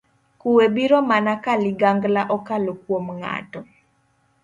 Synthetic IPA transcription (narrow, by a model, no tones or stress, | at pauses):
kuwebiɾɔmanakalɪɡaŋɡlaʔɔkalokwomŋa̰tɔ